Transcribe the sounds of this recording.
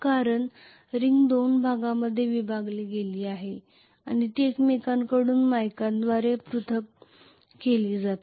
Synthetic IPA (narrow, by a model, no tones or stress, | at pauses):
kaɾəɳ | ɾiŋɡd̪onbʱaɡãməd̪ʱːjeʋibʱaɡleɡeliːaɦe | añit̪iekmekaŋkəɽuːnmajkãnd̪ʋaɾepɾut̪ʰək̚ | keliːd͡zat̪